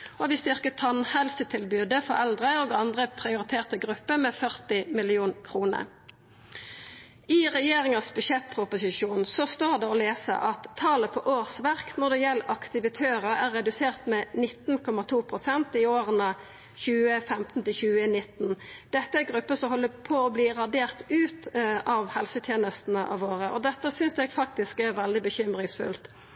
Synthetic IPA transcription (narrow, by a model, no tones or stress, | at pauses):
oɔɑt̪ʋɪst̪ʏʁkət̪ʰɑnhɛlsət̪ʰɪlbʉːd̪əfɔʁɛld̪ʁəoːɡɑnd̪ʁəpʰʁɪʊʁɪt̪ʰeːʁt̪əɡʁʉpːəmɛfœʁt̪ɪmɪlɪuːnkʰʁuːnə̰ʁ | ɪʁɛjeːʁɪŋɑsbʉʃɛt̪̚pʰʁʊpʊsɪʃuːnsɔst̪oːʁd̪ɛɔleːsə̰ʔɑt̪ʰːɑːləpʰɔʔoːʁsʋæʁknɔʁd̪ɛjɛlːʔɑkt̪ɪʋɪt̪ʰøːʁəæːʁːɛd̪ʉseːʁt̪mɛːnɪt̪nkʰɔmːɑt̪ʰuːpʰɾʊsɛnt̪ɪoːʁənə | çʉːəfɛmt̪n̩t̪ɪlçʉːənɪt̪ːnd̪̥ɛt̪ːəæɡʁʉpːəsɔmhɔlːəpʰɔɔbliːʁɑd̪eːʁt̪ʉːt̪ʔɑʋhɛlsət̪ʰjeːnəst̪n̩əʔɑ̰ʋoːɾəʔɔd̪ɛt̪ːəsʏnsɛɡfɑk̚t̪ɪskæʁʋɛld̪ɪbəçʏmʁɪŋsfʉ̰lt̪